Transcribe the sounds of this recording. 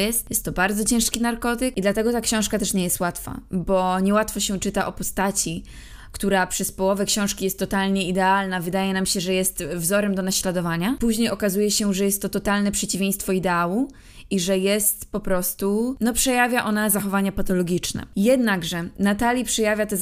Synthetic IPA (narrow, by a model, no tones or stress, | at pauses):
jɛst̪jɛst̪ːɔbaɾd̪zɔt͡ɕɛ̃w̃ʂkʲinaɾkɔt̪ɘkid̪lat̪ɛɡɔt̪akɕɔ̃w̃ʂkat̪ɛʂɲɛjɛst̪wat̪fa̰bɔɲɛwat̪fɔɕɛt͡ʂɘt̪aʔɔpɔst̪at͡ɕi | kt̪uɾapʂɛspɔwɔvɛkɕɔ̃w̃ʂkʲijɛst̪ːɔt̪alɲɛid̪ɛalnavɘd̪ajɛnamɕɛʐɛjɛst̪vzɔɾɛmd̪ɔnaɕlad̪ɔvaɲapuʑɲejɔkazujɛɕɛʐɛjɛst̪ːɔt̪ɔt̪alnɛpʂɛt͡ɕivʲẽj̃st̪fɔid̪ɛawu | iʐɛjɛst̪pɔpɾɔst̪unɔpʂɛjavʲjaʔɔnazaxɔvaɲapat̪ɔlɔɡʲit͡ʂnɛ̰jɛd̪naɡʐɛnat̪alʲjipʂɛjavʲjat̪ɛ